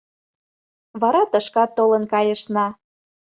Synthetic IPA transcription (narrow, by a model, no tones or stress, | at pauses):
βɑɾɑt̪əʃkɑt̪ːolənkɑjə̆ʃnɑ